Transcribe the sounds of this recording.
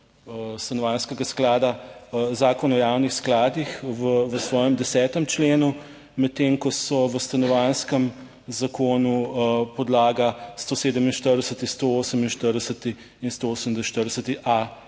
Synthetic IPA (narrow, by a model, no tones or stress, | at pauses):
əst̪anɔʋanskɛɡasklaːd̪azaːkɔnaɔjaːwnixsklaːd̪ixʋəʋəsʋɔːjɛmd̪ɛsɛːt̪əmt͡ʃleːnu | mɛt̪ːeŋkɔsɔʋəst̪anɔʋanskəm | zakoːnupɔd̪laːɡast̪oːseːd̪əminʃt̪əɾd̪ɛsət̪ist̪ooːsəminʃt̪əɾd̪ɛsət̪i | inst̪ooːsəmd̪əʃt̪əɾd̪ɛsət̪iʔa